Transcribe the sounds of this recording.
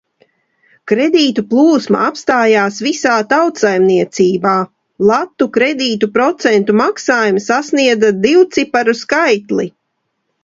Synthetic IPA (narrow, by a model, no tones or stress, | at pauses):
kɾed̪iːt̪uplˠuːsma̰apst̪aːjaːsvisaːt̪awt̪sajmniɛt̪siːbaː | lˠat̪ːukɾɛd̪iːt̪upɾɔt̪sɛnt̪umaksaːjumsasniɛd̪zad̪iwt̪sipaɾuskajt̪li